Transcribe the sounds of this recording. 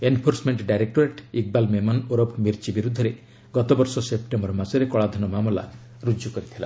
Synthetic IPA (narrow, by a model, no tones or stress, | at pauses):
enpʰoɾsmeɳʈɖajɾek̚ʈoɾeʈik̚balmemɔnoɾɔpʰmiɾt͡ʃibiɾud̪ʱɔɾe | ɡɔt̪ɔbɔɾsɔsep̚ʈembɔɾmasɔɾekɔɭad̪ʱɔnɔmamɔla̰ | ɾud͡ʒjukɔɾit̪ʰila̰